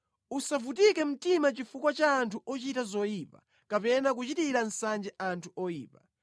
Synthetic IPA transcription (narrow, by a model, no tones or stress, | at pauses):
usavutikɛm̩timat͡ʃifukwat͡ʃaːntʰuʔɔt͡ʃitazɔjiːpa̰ | kapɛnak̬ut͡ʃitiɾan̩sand͡ʒɛʔantʰuɔjḭːpa̰